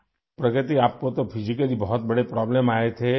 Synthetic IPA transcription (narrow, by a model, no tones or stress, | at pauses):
pɾɐkət̪iaːp̚kot̪opʰɪd͡ʒikəlibɔɦɔt̪̚bɐɽepɾɔːbleːmaːet̪ʰe